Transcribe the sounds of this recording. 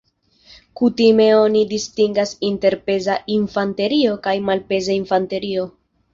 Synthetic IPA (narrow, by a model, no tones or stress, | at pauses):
kutime̞o̞nidistiŋɡasinte̞ɾpe̞zaʔinfante̞ɾio̞kajmalpe̞zainfante̞ɾio̞